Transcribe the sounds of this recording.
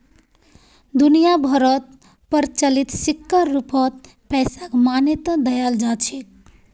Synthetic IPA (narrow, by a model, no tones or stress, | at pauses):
d̪unijabʱəɾət̪̚ | pəɾt͡ʃəlit̪sikːəɾːupət̪̚ | pɛjsakmanet̪ə̃d̪əjald͡ʒat͡ʃʰi